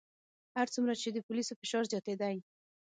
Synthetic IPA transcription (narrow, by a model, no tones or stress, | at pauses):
haɾt͡sumɾat͡ʃed̪əpʊlisofɪʃɑɾzjɑt̪ed̪aj